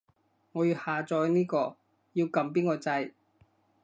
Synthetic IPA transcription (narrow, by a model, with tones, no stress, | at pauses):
ŋɔː˨˧jyː˧haː˨t͡ʃɔː˧jniː˥kɔː˧ | ji˧wkɐ˧mp̬iː˥nkɔː˧t͡sɐ˧j